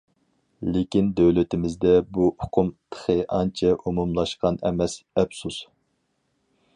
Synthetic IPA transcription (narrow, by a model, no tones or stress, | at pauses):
lekʲind̪øwlɪt̪ʰɪmɪzd̪ɛbuʊqʰʊmt̪ʰə̥χəʔɑnt͡ʃʰɛʔumumlˠɑʃqɑnɛ̰mɛsɛbsus